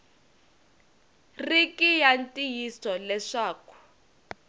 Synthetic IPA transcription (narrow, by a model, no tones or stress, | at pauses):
rikijantʼijisɔlɛʂaːku̥